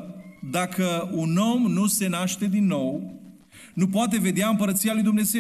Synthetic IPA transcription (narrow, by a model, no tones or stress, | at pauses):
d̪akəuno̞mnuse̞naʃt̪e̞d̪inːo̞w | nupoat̪̬e̞ve̞d̪eaɨmpəɾət̪sijalujd̪umne̞ze